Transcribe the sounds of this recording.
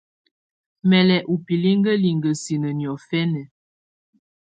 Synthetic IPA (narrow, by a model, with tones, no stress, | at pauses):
mɛ˨lɛ˨ʔu˨pi˨li˦ŋ˦ɡə˦li˨ŋɡə˨si˨nə˨njɔ˨fɛ˦nɛ˨